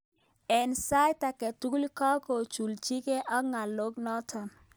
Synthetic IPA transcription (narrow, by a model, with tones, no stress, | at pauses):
ɛ˨nsa˦jta˨kɛ˨tu˦ku˦li˦kɔ˦ko˨t͡ʃu˨lt͡ʃi˦ke˦ʔɔ˦ŋa˨lo˦ɡnɔ˦tʰɔ˨n